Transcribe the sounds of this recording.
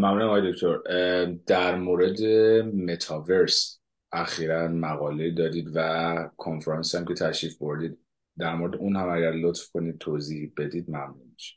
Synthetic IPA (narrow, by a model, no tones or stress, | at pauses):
mæmnunæmɒːjed̪o̞kʰt̪ʰoɾd̪̥æɾmoːɾe̞d̪emet̪ʰɒːve̞ɾs | ʔæxiːɾænmæɣɒːle̞iːd̪ɒːd̪iːd̪vækʰonfɾɑnsiæmkʲʰe̞t̪ʰæʃiːfbo̞ɾd̪iːd̪ | d̪æɾmo̞ɾe̞d̪eunhæmæɟæɾlot̪fkʰo̞niːd̪̥̚t̪ʰoːziːhibe̞d̪iːd̪mæmnuniʃi̥